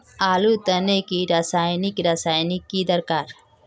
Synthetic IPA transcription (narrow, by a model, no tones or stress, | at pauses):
aːlut̪ənekiɾasaːjnɪkɾaːsaːjnikid̪əɾkaːɾ